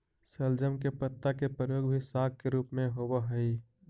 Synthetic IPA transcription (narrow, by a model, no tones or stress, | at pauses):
səld͡ʒəmkepət̪ːakepɾəjoːɡbʱisaːɡ̚keɾuːpmẽɦoːbəɦəi